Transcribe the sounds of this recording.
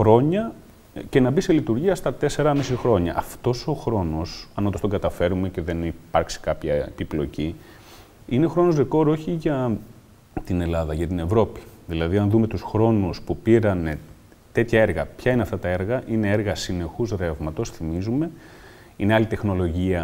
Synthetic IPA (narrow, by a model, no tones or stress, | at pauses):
xɾo̞ɲɐ | ce̞nɐbiselit̪uɾʝiɐst̪ɐt̪e̞se̞ɾɐmisixɾo̞ɲɐ̰ʔɐft̪o̞so̞xɾo̞no̞sɐnot̪ost̪o̞ŋɡɐt̪ɐfe̞ɾume̞ce̞ðe̞nipɐɾksi̥kɐpçɐepiplo̞ci | ine̞xɾo̞nozðeko̞ɾo̞çiʝɐ | t̪ine̞lɐðɐʝɐt̪ine̞vɾo̞pi̥ðilɐðiɐnðume̞t̪usxɾo̞nuspupiɾɐne̞ | t̪e̞t̪çɐeɾɣɐpçɐineɐft̪ɐt̪ɐe̞ɾɣɐʔine̞eɾɣɐsine̞xuzðɾe̞vmɐt̪o̞sθimizume̞ | ine̞ɐlit̪e̞xno̞lo̞ʝiɐ